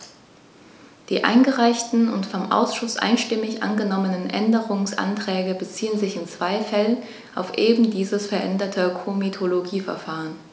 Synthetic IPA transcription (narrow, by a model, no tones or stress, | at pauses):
d̥iːʔa̰ɪnɡəʁaɪçtn̩ʊ̰ntfɔmʔa̰ʊsʃʊsʔa̰ɪnʃtɪmɪçʔa̰nɡənɔmənənʔɛ̰ndəʁ̞ʊŋsʔa̰ntʁ̥ɛːɡəbət͡siːənzɪçɪnt͡sv̥aɪfɛlən | ʔaʊfʔeːbm̩diːzəsfɛɐʔɛndɐtʰəkʰomitʰoloɡiːfɛɐfaːʁən